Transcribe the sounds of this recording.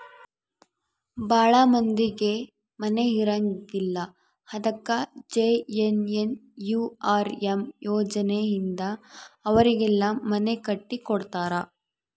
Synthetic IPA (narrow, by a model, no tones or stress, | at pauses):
baːɭɐmɐnd̪iɡe̞ | mɐne̞ɦiɾɐŋɡilːɐ | hɐd̪ɐkːɐd͡ʒeenenjuːaːɾemjɔːd͡ʒɐnejind̪ɐːʋɐɾiɡɛlːɐmɐnekɐʈːikɔɽt̪aːɾɐ